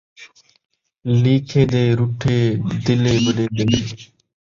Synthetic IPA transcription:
liːkʰeːd̪eːɾuʈʰeːd̪ɪleːbəɗeːd̪eleː

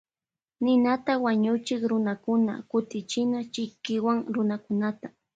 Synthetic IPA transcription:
nɪnat̪awaɲʊt͡ʃɪkɾʊnakʊna̰kʊt̪ɪt͡ʃɪnat͡ʃɪkɪwaŋɾʊnakʊnat̪ḁ

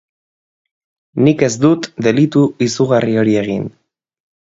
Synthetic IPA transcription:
nike̞zd̪ut̪d̪e̞lit̪uisuɣario̞ɾie̞ɣ̞in

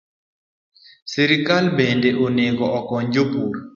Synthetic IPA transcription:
sɛɾɪkalbɛndeʔoneɡɔɔkɔɲd͡ʒopuɾ

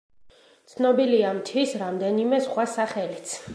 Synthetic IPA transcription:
tt̪sʰnɔbiliamt̪ʰwisɾamd̪ɛnimɛsχwasaχɛlit̪sʰ

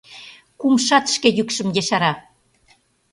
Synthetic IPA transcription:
kumʃɑt̪ʃkejykʃə̆mjeʃɑɾɑ

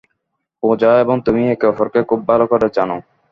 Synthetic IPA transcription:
põd͡ʑaeeboŋt̪umiekɔfʰoɾkekʰubːʱalokoɾet͡ɕano

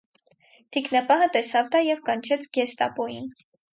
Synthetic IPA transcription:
t̪ʰiknɑpɑɦət̪ɛsɑvd̪ɑjɛvkɑnt͡ʃʰɛt͡sʰɡɛst̪ɑ̰pɔjin

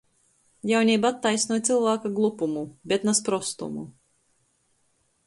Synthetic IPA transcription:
jawnʲiːbat̪ːajsnuɔt̪silˠvaːkaɡlˠupumubʲɛt̪naspɾɔst̪ṵmṵ

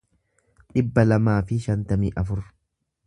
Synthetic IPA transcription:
ᶑɪbːɐlɐmaːfɪʃɐnt̪ɐmiːʔɐfʊɾ

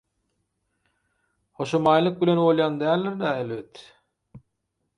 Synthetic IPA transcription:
hoʃomɑːjlˠɯk̚bilʲenolˠjɑnd̪æːlʲːiɾd̪æelvet̪

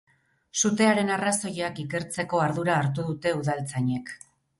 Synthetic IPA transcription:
sut̪e̞aɾe̞naraso̞jakike̞ɾt͡se̞ko̞aɾðuɾaːɾt̪uðut̪e̞uðalt͡saɲe̞k

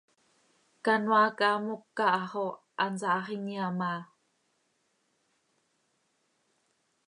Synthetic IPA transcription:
kanwakamukːaʔʁo | ʔanzaʔʁiniama

